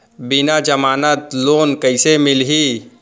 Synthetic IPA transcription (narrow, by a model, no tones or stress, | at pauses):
bɪnad͡ʒəmaːnət̪loːnkəɪsemɪlɦi